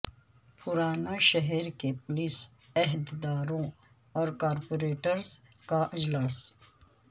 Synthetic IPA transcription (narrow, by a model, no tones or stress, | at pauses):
pʊɾaːnaʃɛɦɛɾkepʊlɪs | ɛɦd̪d̪aːɾõ | ɔːɾkaːɾpoːɾeːʈəɾz | kaʔɪd͡ʒlaːs